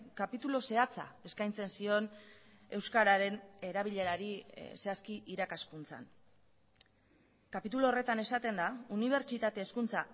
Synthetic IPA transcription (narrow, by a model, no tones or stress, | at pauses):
kapit̪ulo̞se̞at͡sa̰e̞skajnt͡se̞nsio̞ne̞wskaɾaɾe̞ne̞ɾaβ̞iʎe̞ɾaɾise̞askiʔiɾakaskunt͡sa̰n | kapit̪uloːre̞t̪ane̞sat̪e̞nd̪auniβ̞e̞ɾt͡ʃit̪at̪e̞ːskunt͡sa